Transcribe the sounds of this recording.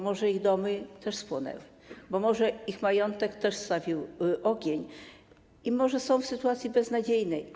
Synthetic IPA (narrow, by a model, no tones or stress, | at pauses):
mɔʐɛiɣd̪ɔmɘt̪ɛʂspwɔnɛ̰wɘ | bɔmɔʐɛixmajɔnt̪ɛkt̪ɛʂst̪avʲiwʔɔɡʲeɲ | imɔʐɛsɔ̃w̃fsɘt̪uat̪sʲjibɛznad͡ʑejnɛj